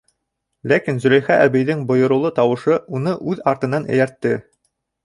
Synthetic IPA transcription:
lækinzɵ̆ɾæjχæʔæβijðɘŋbŏjɤ̆ɾɤ̆wlˠɤt̪ɑwɤ̆ʃɤunɤʔʉðɑɾt̪ɤ̆nɑnæ̰̆jæɾt̪ːɘ

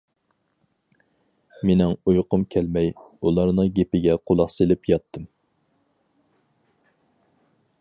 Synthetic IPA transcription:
menɪŋujqʊmkʲʰɛlmɛjulˠɑɾnɨɡʲepɪɡʲɛqʰolˠɑχselɪpjɑt̪ʰːɨm

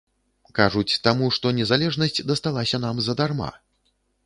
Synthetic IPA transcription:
kaʐut͡sʲt̪amuʂt̪ɔnʲɛzalʲɛʐnɐsʲt͡sʲd̪ɐst̪alˠasʲɐnamzɐd̪arma̰

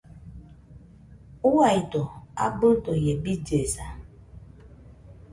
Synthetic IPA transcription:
uwaitoa̰bʊtojebid͡ʒesa

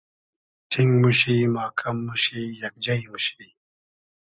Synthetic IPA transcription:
ʈʰiŋɡmuɕiːmaːkʰɐmːuɕiːjɐk̚d͡ʑɐjmuɕij

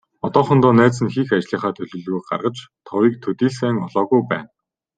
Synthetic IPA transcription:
ɔt̪ɔːχɞ̆nt̪ɔːnæːt͡sɘ̆nxixat͡ɕɮiːχaːt̪ʰɵɮɵ̆ɮɣuːk̚ɢa̰rʁə̆t͡ɕt̪ʰɔwiːk̚t̪ʰɵt̪iːɮsæːŋɔɮɔːɣujpæ̰ːn

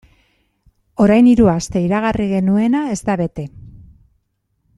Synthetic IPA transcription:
o̞ɾajniɾuast̪e̞iɾaɣ̞ariɣe̞nue̞nae̞zt̪aβe̞t̪e̞

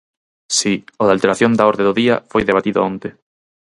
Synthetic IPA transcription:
sioðalt̪eɾaθjond̪aɔɾðeðʊðiɐ̰fojðeβat̪iðʊ̰ont̪e

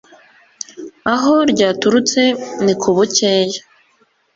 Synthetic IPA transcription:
aɦo̞ɾɟaːtuɾut͡se̞nikʰuβuceːja

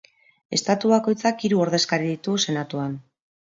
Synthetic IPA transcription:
e̞̰st̪at̪uβako̞jt͡sakiɾuoɾð̞e̞skaɾiðit̪use̞nat̪uan

